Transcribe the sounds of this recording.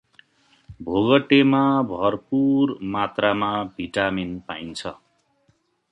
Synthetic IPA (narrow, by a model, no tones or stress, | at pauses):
bʱoɡʌʈemabʱʌrpurmat̪ramabʱiʈaminpaint͡sʰʌ